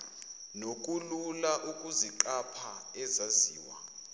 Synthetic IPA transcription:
nok̬ʼululaʔukʼuziǃapʰaɛzaziːwa̰

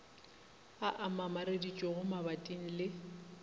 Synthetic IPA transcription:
aʔamamaɾedit͡ʃʼɔɣʊmabatʼin̩lɪ

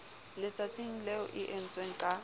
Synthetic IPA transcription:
lɪt͡sʼat͡sʼiŋ̩lɛʊʔɪʔen̩t͡sʼweŋ̩kʼa

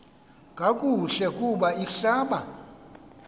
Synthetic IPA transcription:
ŋʼʱakʼuɬɛkʼuɓaiɬaːɓa

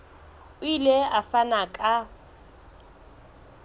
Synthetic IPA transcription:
ʊileafanakʼa

